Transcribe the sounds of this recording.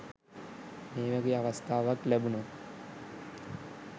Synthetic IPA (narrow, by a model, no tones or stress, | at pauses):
meːʋæɡeːaʋast̪ʰaːʋaklæbuno